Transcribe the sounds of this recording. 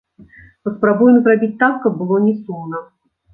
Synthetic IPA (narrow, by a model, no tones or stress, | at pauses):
pəspɾabujɛmzrabʲit͡sʲt̪akːɐb̚ːɨlˠɔnʲɛsumnɐ